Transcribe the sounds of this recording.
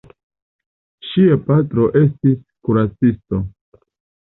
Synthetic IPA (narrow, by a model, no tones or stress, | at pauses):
ʃiapatɾo̞ʔe̞stis | kuɾat͡sisto̞